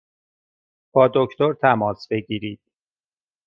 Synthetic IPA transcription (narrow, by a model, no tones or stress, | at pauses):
b̥ɒːd̪o̞kʰt̪ʰo̞ɾt̪ʰæmɒːsbe̞ɟiːɾiːd̪̥̚